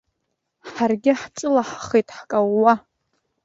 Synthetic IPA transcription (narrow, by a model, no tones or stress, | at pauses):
ħarɡʲɪħt͡ʃʼɨlaħχejtʼħkʼawːa